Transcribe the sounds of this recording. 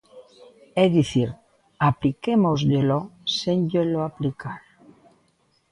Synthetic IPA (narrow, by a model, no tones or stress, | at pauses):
eðiθiɾ | aplikemozʎelosenʎeloaplikʰaɾ